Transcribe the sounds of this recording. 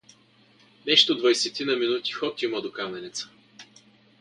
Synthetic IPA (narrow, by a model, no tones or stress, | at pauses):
nɛʃt̪od̪vɐjsɛt̪inɐminut̪i̥xɔt̪ʲiməd̪okamɛnɛt̪sə̥